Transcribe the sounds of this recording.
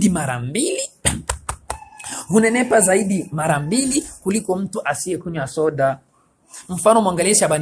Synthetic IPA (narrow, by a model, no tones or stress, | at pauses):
dimaɾambili | hunɛnɛpazaiɗimaɾambilikulikɔm̩tuʔasiɛkuɲwasɔɗa | m̩fanɔmwaŋɡaliɛʃaɓan